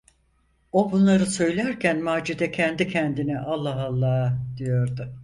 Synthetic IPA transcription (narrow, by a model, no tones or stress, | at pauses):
obunlˠaɾɯsø̞jlʲæɾcʰænmaːd͡ʒid̪ɛcʰɛnd̪icʰɛnd̪iniʔalˠːaɦalˠːaːd̪ijo̞ɾd̪ʊ